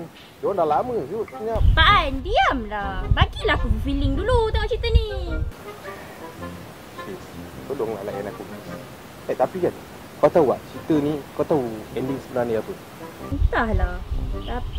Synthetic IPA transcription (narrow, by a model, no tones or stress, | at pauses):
n | d͡ʒɔandalaməsut̪̚sɲapaʔɛndiamlabaɡilahkubəfilɪŋdulut̪aut͡ʃit̪ənĩ | siskaduaŋlala̰ʔanakumis | at̪apikan | kat̪awa̰ʔt͡ʃit̪ənĩkawt̪auɛndiŋsəbənarniapə | snt̪ahlat̪api